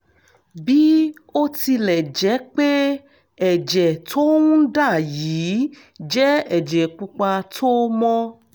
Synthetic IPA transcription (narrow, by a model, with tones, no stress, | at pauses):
bi˦o˦ti˧lɛ˨d͡ʒɛ˨˦k͡pe˦ | ɛ˦˨d͡ʒɛ˨tʰo˦wũ˦da˦˨jiː˨˦ | d͡ʒɛ˦ɛ˨d͡ʒɛ˨k͡pu˧k͡pa˧tʰo˦mɔ̃˦